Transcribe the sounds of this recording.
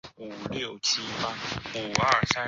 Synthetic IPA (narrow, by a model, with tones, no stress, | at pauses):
u˨˩ljo˥˩ʊt͡ɕʰi˦˥pa˥u˨˩ə˥˩sa˦˥